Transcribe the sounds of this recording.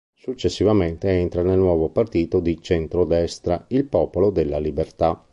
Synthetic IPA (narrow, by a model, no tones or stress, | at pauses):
sut͡ʃːesːivament̪eɛnt̪ɾanelnwɔːvopart̪iːt̪od̪it͡ʃɛnt̪ɾod̪ɛst̪ɾailpɔːpolod̪elːalibert̪a